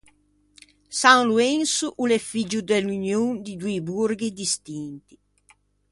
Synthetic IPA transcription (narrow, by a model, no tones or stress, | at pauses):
saŋluɛnsuʔulɛfid͡ʒud̪ɛlːunjund̪id̪uiburɡid̪ist̪int̪i̥